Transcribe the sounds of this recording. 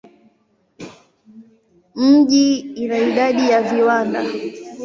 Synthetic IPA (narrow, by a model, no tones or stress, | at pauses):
m̩ʄiinaiɗaɗijaviwanda